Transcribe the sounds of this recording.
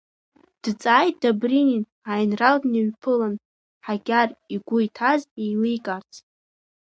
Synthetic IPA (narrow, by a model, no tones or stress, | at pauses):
d̥t͡sʼaːjt̚d̥abrinin | ajnraldniɥpʰɨlan | ħaɡʲariɡʷʊjtʰazejlijkʼart͡sʰ